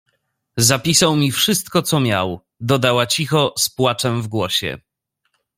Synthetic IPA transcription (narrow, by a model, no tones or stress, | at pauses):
zapʲisawmʲifʂɘst̪̚kɔt̪sɔmʲja̰w | d̪ɔd̪awat͡ɕixɔspwat͡ʂɛmvɡwɔɕɛ̰